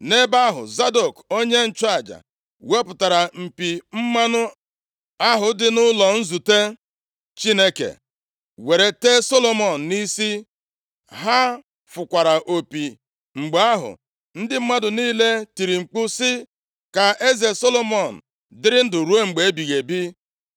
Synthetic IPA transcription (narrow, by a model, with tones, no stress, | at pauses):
ne˦ba˦ɦʊ̰˨za˦do˨ko˦ɲe˦n̩˦˨t͡ʃa˦˨d͡ʒa̰˨ | we˦pʊ˨ta˨ɾa˨m̩˨pi˨m̩˦ma˦nʊ˦ | a˦ɦʊ˨dɪ˦nʊ˦lɔ˨n̩˦zu˨te˦ | t͡ʃi˦ne˦kḛ˨ | we˨ɾe˨te˦so˦lo˨mɔ˨n̩˨ni˦si˦ | ɦa˦ | fʊ˨kʷa˨ɾa˨ʔo˨pi˨ | ŋ͡m̩˨ɡ͡ba˦ɦʊ̰˨ | n̩˦dɪ˦m̩˦ma˦dʊ˨niː˦le˦ti˨ɾi˨ŋ͡m̩˨k͡pʊ˦sɪ˦ | ka˨e˦ze˨so˦lo˦mɔ˨n̩˨ | dɪ˦ɾɪ˦n̩˦dʊ˨ɾu˦e˦ŋ͡m̩˨ɡ͡be˨e˦bi˨ɣe˨bi˦